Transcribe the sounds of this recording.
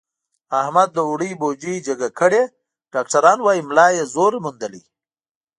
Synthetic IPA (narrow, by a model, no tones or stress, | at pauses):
ahmad̪ːəuɽibod͡ʒid͡ʒəɡakəɽe | ɖ̥ɑk̚ʈaɾɑnwɑimlɑjezoɾmund̪əlḭ